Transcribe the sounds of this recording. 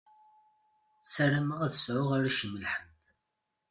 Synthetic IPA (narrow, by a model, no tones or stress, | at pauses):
sæɾæməʁæðəsʕʊʁaɾaʃəmːəlħəm